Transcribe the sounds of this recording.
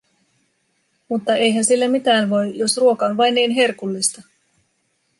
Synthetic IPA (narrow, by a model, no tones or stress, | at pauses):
mut̪ːɑe̞jɦænsilːæmit̪æːnʋo̞jjo̞sruo̞kɑonʋɑjnːiːnɦe̞rkulːist̪ɑ